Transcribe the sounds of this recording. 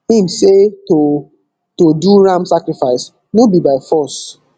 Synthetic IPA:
ĩmseto | toduɹãmsakɹifaɪs | nobibaɪfɔs

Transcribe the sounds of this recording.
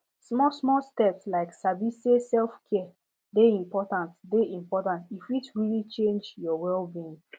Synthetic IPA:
smɔsmɔstɛpslaɪksabisesɛlfkʰɛə | deĩmpɔtãntdeĩmpɔtãntifitɹilit͡ʃẽnd͡ʒjɔwɛlbiĩŋ

